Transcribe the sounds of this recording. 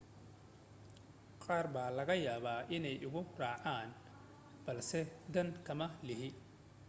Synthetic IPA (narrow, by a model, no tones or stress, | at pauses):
qɑːrbaːlɐɣɐjaːβaːʔɪnɛjʔʊɣʊraːʕaːn | b̥ɐlsɛd̪ɐnkʰɐmɐlɪɦɪ